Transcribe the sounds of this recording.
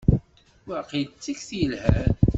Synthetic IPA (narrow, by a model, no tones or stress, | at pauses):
wæqit͡sːiçθjəlhæ